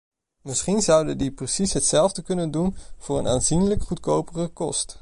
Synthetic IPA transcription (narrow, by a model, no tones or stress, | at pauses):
mɪsχinzʌwdəndiprəsisɦətsɛlˠvdəkɵnəndunv̥ʊːɹə̰naːnzinləkχutkowpərəkɔst